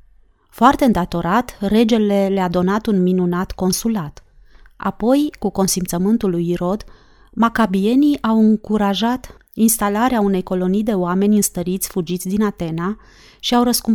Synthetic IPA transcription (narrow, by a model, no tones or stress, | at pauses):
foart̪e̞ɨnd̪at̪o̞ɾat̪re̞d͡ʒe̞le̞lead̪o̞nat̪unminunat̪ko̞nsulat̪ | a̰po̞jkuko̞nsimt̪səmɨnt̪ulujɾo̞d̪ | makabie̞niʔawɨŋkuɾaʒat̪ | inst̪alaɾeaune̞jko̞lo̞nijd̪e̞oame̞nʲɨnst̪əɾit̪sʲfud͡ʒit̪sʲd̪inat̪e̞na | ʃiawɾəskum